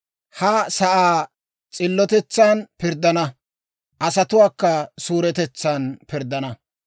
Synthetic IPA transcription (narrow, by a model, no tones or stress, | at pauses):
hɐsɐʔaː | t͡sʼɪlːɔt̪ɛt͡sːaːnpɪɾd̪ɐnɐ | ʔɐsɐt̪ʊwaːkːɐsuːɾɛt̪ɛt͡sːaːnpɪɾd̪ɐnɐ